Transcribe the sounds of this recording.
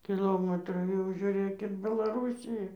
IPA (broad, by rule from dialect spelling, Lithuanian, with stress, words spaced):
kʲɪˈlˠoːmɐtruː jɛʊ ʒʲʊˈrʲeːk ɪr bʲɛlˠɐˈruːsʲɪjɛ